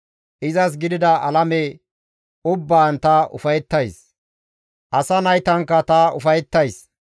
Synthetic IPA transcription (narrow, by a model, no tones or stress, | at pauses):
ʔɪzɐs̬ɡɪd̪ɪd̪ɐʔɐlɐmɛ | ʊbːaːnt̪ɐʔʊ̰fɐjɛt̪ːɐjs | ʔɐsɐnɐjt̪ɐŋkːɐt̪ɐʊfɐjɛt̪ːɐjs